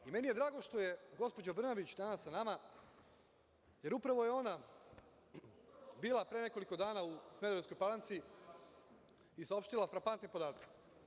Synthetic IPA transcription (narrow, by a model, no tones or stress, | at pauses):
ime̞nije̞d̪ɾaːɡo̞ʃt̪o̞je̞ɡo̞spo̞d͡ʑobr̩nabit͡ɕd̪aːnasanama | je̞ɾupɾaʋo̞je̞o̞na | biːlˠapɾene̞koliko̞d̪aːnausmed̪oesko̞jpalˠant̪si | isao̞pʃt̪ilˠafɾapant̪nipo̞d̪aːt̪ak